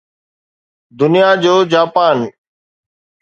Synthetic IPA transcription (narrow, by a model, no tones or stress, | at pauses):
d̪ʊnijad͡ʑoːd͡ʑaːpaːn